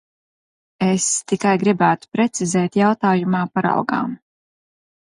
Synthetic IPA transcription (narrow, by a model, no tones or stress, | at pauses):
est̪ikajɡɾibæːt̪u̥pɾɛt̪sizɛːt̪jawt̪aːjumaːpaɾa̰wɡa̰ːm